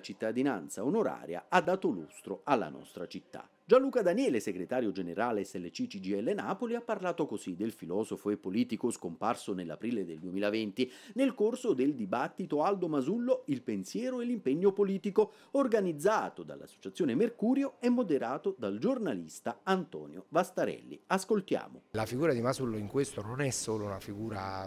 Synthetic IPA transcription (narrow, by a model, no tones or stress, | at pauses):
t͡ʃit̪ːad̪ina̰nt̪saonoɾa̰ːɾja̰ad̪ːaːt̪olo̰st̪ɾoalːa̰nɔ̰st̪ɾat͡ʃit̪ːa̰ | d͡ʒanluːkad̪anjɛːleseɡɾet̪aːɾjod͡ʒeneɾaːleɛsːɛlːet͡ʃit͡ʃid͡ʒiɛlːenaːpoliapːarlaːt̪okozid̪ːelfilɔːzofoepːoliːt̪ikoskomparsonelːa̰pɾiːled̪eld̪uemiːlavent̪inelkorsod̪eld̪ibat̪ːit̪oald̪omazulːoilpensjɛːɾoelːimpeɲːopoliːt̪iko | orɡanid̪zːaːt̪od̪a̰lːa̰sːo̥t͡ʃat̪sːjoːnemerkuːɾjoɛmːod̪eɾaːt̪od̪ald͡ʒornalḭst̪aant̪ɔ̰ːnjovast̪aɾɛ̰lːḭaskolt̪ja̰ːmo̰lafiɡuːɾad̪imazulːoiŋkwest̪ononɛssoːlounafiɡuːɾa